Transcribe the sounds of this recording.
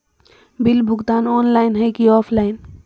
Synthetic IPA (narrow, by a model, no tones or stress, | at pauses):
bɪlbʱʊɡt̪aːnɔːnlaːɪnɦəjkiɔːpʰlaːɪn